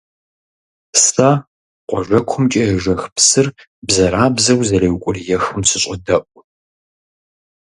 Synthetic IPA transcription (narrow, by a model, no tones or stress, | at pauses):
sa | qʷɔʒʷɐkʷʰʊmt͡ʃʼɐɛʒɐxpsɨr | bzɐɾaːbzɐwzɐlɐwkʷʼʊrjɛxɨmsɨɕʼɐdɐʔʷʼ